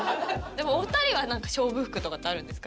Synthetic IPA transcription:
d̪e̞mo̞ot̪aɾʲiβanãŋkḁɕo̞ːbɯ̟ɸɯ̟̥kɯ̟t̪o̞kat̪ːeaɾɯ̟̃nd̪e̞sɨ̥ka

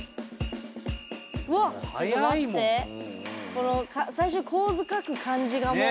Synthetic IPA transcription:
βaaaime | ko̞nokasaiɕ̬oːkʰo̞ːzɨkakɯ̟kʰãɲ̟d͡ʑiɡamo

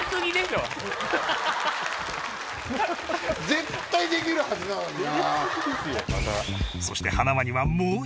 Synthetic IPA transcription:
t͡sɨɲ̟id̪eɕo | d͡zẽ̞t̪ːaid̪e̞k̬ʲiɾɯ̟had͡ʑinaa | mat̪a̰so̞ɕi̥t̪e̞hanamaɲ̟iβamoː

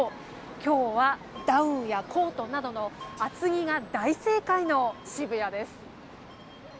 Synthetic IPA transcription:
kʲo̞ːβa | d̪aɯ̟̃ɰ̃jakʰo̞ːt̪o̞nad̪o̞no̞at͡sɨɡʲiɡad̪aise̞ːkaino̞ɕibɯ̟jad̪e̞sɨ̥

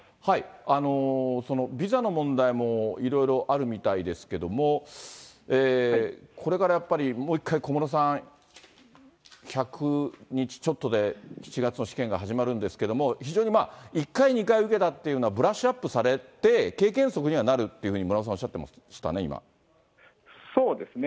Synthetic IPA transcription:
haiano̞so̞no̞bʲizano̞mõ̞nd̪aimo̞iɾo̞iɾo̞ʔaɾɯ̟mʲit̪aid̪e̞sɨ̥ke̞d̪o̞mo̞ | eːkʰo̞ɾe̞kaɾajapːaɾʲimo̞ːikʰːaiko̞moɾos̬ãɰ̃ | çakʰɯ̟ɲ̟it͡ɕi̥t͡ɕo̞t̪ːod̪e̞çi̥t͡ɕiɡat͡sɨno̞ɕi̥kẽ̞ŋɡaɦaʑimaɾɯ̟̃nd̪e̞sɨ̥ke̞d̪o̞mo̞çiʑo̞ːɲ̟imaːikːaiɲ̟ikaiɯ̟ke̞t̪at̪ːe̞iɯ̟noabɯ̟ɾaɕɨapːɯsaɾe̞t̪e̞ke̞ːkẽ̞ɰ̃so̞kɯ̟ɲ̟iβanaɾɯ̟t̪ːe̞jɯ̟hɯ̟ɲ̟imoɾaosãoɕat̪ːema̰ | ɕi̥t̪a̰ne̞ḭma̰ | soːd̪e̞sɨne

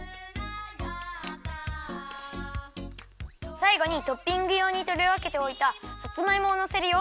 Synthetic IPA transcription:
saiɡo̞ɲ̟it̪o̞pʲːĩŋɡɯ̟jo̞ːɲ̟it̪o̞ɾʲeβake̞t̪e̞o̞it̪ahat͡sɨmaimo̞ːnose̞ɾɯ̟jo̞

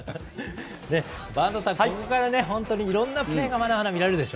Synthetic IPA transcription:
ne̞ | bãnd̪osãakokaɾane̞ɦõ̞nt̪o̞ɲ̟iːɾõ̞nːapɯ̟ɾe̞ːɡamad̪amad̪amʲiɾaɾe̞ɾɯ̟d̪e̞ɕo

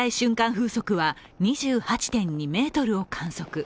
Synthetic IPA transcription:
aiɕɨ̃ŋkãɰ̃ɸɯːso̞kɯ̟βa | ɲ̟iʑɨːhat͡ɕi̥t̪ẽ̞ɲ̟ːime̞ːt̪o̞ɾɯ̟o̞kʰãɰ̃so̞kɯ̟

